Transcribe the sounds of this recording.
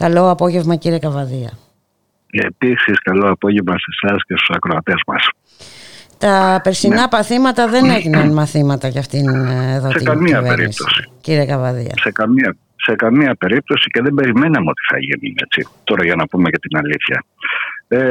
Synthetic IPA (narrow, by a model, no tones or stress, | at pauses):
kɐlo̞ɐpo̞ʝe̞vmɐciɾiekɐvɐðiɐ̰ | episiskɐlo̞ɐpo̞ʝevmɐse̞sɐscest̪u̥sɐkɾoɐt̪e̞zmɐ̰s | t̪ɐpe̞ɾsinɐpɐθimɐt̪ɐðe̞ne̞ʝinɐnmɐθimɐt̪ɐʝɐft̪ineðoseikɐmiɐveeɾḭst̪o̞si̥ciɾiekɐvɐðḭɐ̰se̞kɐmiɐ | se̞kɐmiɐpe̞ɾip̚t̪o̞sice̞ðembe̞ɾime̞nɐmeo̞t̪i̥θɐ̰ʝḭnḭe̞̰t͡sit̪o̞ɾɐʝɐnɐpumecet̪inɐliθçɐ̰ | e